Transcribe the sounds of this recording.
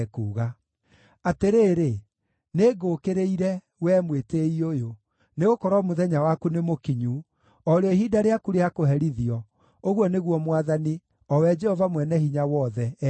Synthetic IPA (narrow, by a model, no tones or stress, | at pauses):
kuːɣa | ateɾeːɾe | neːɡokeɾeiɾɛ | wɛmweteiojo | neɣokɔɾɔmoðɛɲawakunemokiɲu | ɔɾeɔihidaɾeakuɾeakoɦɛɾiðiɔ | oɣwɔneɣwɔmwaðani | ɔwɛd͡ʒɛhɔvamwɛnɛhiɲawɔðɛ